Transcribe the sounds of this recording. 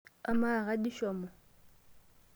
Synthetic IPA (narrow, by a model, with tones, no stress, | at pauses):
a˨ma˦˨ɣa˦di˦ʃɔː˨mɔ˨